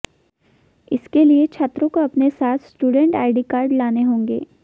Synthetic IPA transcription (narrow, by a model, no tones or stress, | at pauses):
ɪskeliet͡ʃʰaːt̪ɾõkoɐpnesaːt̪ʰsʈuːɖə̃ɳʈaːɪɖikaːɾɖlaːneɦõːŋɡḛː